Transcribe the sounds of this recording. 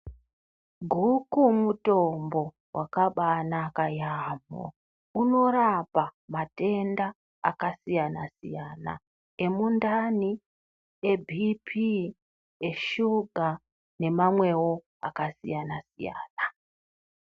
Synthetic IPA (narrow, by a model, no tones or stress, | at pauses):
ɡʱukumuto̞mbo̞ | wakaɓanakajaːmo̰ | uno̞ɾapamate̞nda | a̰kasijanasḭjaːna̰ | e̞mundani | e̞bʱipʰi | e̞ʃuɡʱa | ne̞mamwe̞wo̞ | a̰kasḭjanasija̰ːna